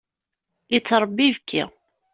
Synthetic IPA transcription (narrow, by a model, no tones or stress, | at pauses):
jit͡sːɾˤəbːivkʰːḭ